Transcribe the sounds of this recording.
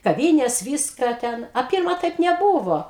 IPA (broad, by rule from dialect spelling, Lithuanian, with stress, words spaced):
kɐˈʋʲiːnʲeːs ˈʋʲiːskɐ ˈtʲɛn ɐ ˈpʲɪrmɐ ˈtɐɪp nʲɛˈbuːʋoː